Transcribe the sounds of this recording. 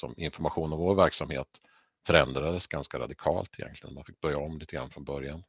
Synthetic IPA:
sɔ̰mɪnfɔɾmaɧuːnɔvvoːɾvæɾksamheːt̪ | fœɾɛnd̪ɾad̪əsɡanskaɾa̰d̪ɪkʰɑ̰ːlt̪ɪjɛ̰nk̪ʰlɪɡə̰nmanfɪk̚b̥œɾjaɔmliːt̪əɡɾa̰nfɾɔnbœɾjan

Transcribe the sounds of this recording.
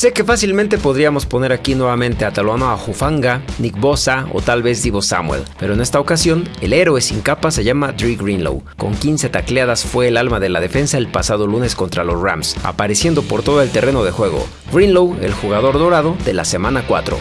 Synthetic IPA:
se̞ke̞fasilmẽnt̪e̞po̞ðɾiamo̞spo̞neɾakinwe̞βamẽnt̪e̞at̪aloanoaxufaŋɡanikbo̞sao̰t̪alβe̞zd̪iβo̞sa̰mwḛlpe̞ɾoene̞st̪ao̞kasjo̞ne̞le̞ɾoesiŋkapase̞ʝamad̪ɾiɡɾinlo̰wko̞̰ŋkinse̞t̪akleaðasfwe̞ːlalmaðe̞lað̞e̞fe̞nsaelpasað̞o̞lune̞sko̞nt̪ɾalo̞zra̰msa̰paɾe̞sje̞nd̪o̞po̞ɾt̪o̞ðoe̞lt̪e̞rʔe̞no̞ðe̞xwe̞ɣ̞o̞̰ | ɡɾinlowe̞̰lxuɣað̞o̞ɾðo̞ɾað̞o̞ðe̞la̰se̞mãnakwa̰t̪ɾo̰

